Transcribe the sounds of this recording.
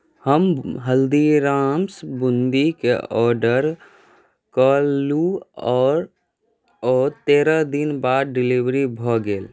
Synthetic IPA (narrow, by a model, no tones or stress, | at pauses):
həmɦəld̪iɾaːmsbʊ̃nd̪ikḛʔɔːɾɖəɾ | kaːlːuɔːɾ | ɔːɾt̪eːɾad̪ɪnbaːd̪̚ɖɪliʋɾibʱɔːɡeːl